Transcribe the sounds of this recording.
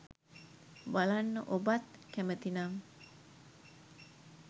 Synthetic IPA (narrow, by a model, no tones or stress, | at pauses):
balanobat̪̚kɛmət̪inam